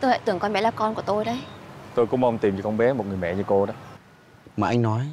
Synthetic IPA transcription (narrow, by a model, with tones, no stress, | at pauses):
t̪o˧jha̰˧˨t̪ɨ˨˩əŋkɔ˧ɓɛ˨˦laː˨˩kɔ˧nku˧˩ət̪o˧jɗə˨˧˦jt̪o˧jkʊ̰˧˥ŋ͡mma˧wŋ͡mt̪i˨˩mt͡ɕɨ˧˩kɔ˧nɓɛ˨˦mo˨˩t̚ŋɨ˨˩əjmɛ̰˧˨ɲɨ˧ko˧ɗə˨˦ | maː˨˩ʔa˧ŋ̟nɔ˨˦j